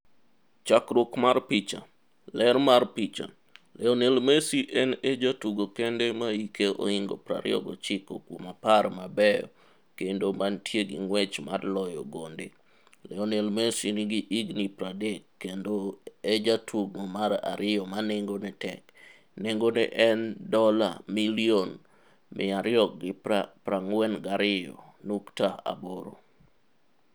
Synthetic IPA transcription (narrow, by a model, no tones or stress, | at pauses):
t͡ʃakɾokmarpit͡ʃa̰ | lɛɾmarpit͡ʃa̰ | lɛɔnelmesiʔɛnɛd͡ʒatuɡokɛndɛmaikeʔo̰iŋɡopɾa̰ɾɪ̰ɔ̰ɡɔ̰t͡ʃɪkokwomaparmabɛjɔ̰ | kendomantjeɡḭŋwɛt͡ʃma̰dlɔjɔ̰ɡonde | lɛɔnelmesiniɡiʔiɡnipɾadɛkːendoɛd͡ʒatʰuɡŋomaɾa̰ɾɪɔmanɪŋɡonɛtɛ̰k | neŋɡonɛ̰ʔɛndɔla̰milion | mʔɪ̰aɾɪɔk̚ɡɪpɾaŋwɛnɡaɾɪjɔ̰nuktaa̰boɾo̰